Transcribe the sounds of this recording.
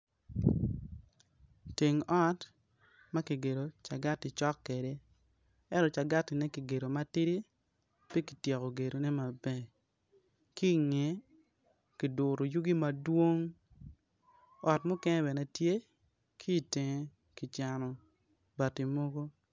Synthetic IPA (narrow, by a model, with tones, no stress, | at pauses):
te˨ŋɔ˦t | ma˦ki˨ɡe˨ɾo˨t͡ʃa˨ɡa˦tɪ˨t͡ʃɔ˦kːe˨de˦ | ɛ˦ntɔ˨t͡ʃa˨ɡa˦tɪ˨nɛ˦ki˨ɡe˨ɾo˨ma˦tɪ˦ɾi˦ | pje˦ki˨tje˨ko˨ɡe˨ɾo˨nɛ˦ma˨bɛ˦˨ | ki˦˨ŋe˨ | ki˨dʊ˨ɾo˨ju˦ɡi˦ma˨dwo˦ŋ | ɔ˨tmo˦kɛ˦ŋɛ˦bɛ˨nɛ˨tje˦ | kʰi˦˨te˨ŋe˨ | ki˨t͡ʃa˨nɔ˨ | ba˨ti˨mo˦ɡo˦